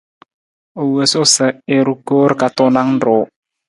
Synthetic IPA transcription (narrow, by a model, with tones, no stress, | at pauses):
o˨wə˨sʊ˦sə˨ɪ˨ɾu˦ko˦ɾka˨t̪ʊ˦na˦ŋn˦do˨˦